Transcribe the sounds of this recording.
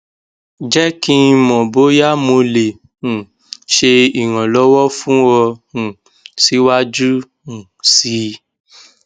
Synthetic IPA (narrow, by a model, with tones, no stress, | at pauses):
d͡ʒɛ˦kĩ˧mɔ̃˨bo˨˦ja˦mo˧le˨ | ũ˨ | ʃe˧i˨ɾ̃ã˨lɔ˨˦wɔ˦fũ˦wɔ˧hũ˨ | si˨˦wa˦d͡ʒu˦ | ũ˨ | si˨˦